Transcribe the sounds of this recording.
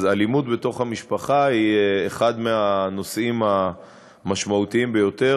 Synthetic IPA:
zalimut̪be̞t̪o̞χhamiʃpaχahieχad̪meano̞sʔima | maʃmaut̪iimbe̞jo̞t̪e̞

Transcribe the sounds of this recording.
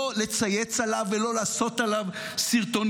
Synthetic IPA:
ole̞t͡sajet͡salavːelo̞laːso̞t̪alav | siʁt̪o̞n

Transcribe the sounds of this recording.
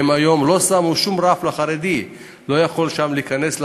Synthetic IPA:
emajo̞mlo̞samuʃumʁaflaχaʁed̪i | lo̞jaχo̞lʃamliikane̞sl

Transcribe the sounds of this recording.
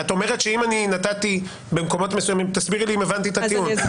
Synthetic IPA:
at̪o̞meʁet̪ʃe̞imaninatat̪i | be̞mko̞mo̞t̪mesujamimt̪asbiʁliimevant̪it̪at̪iun

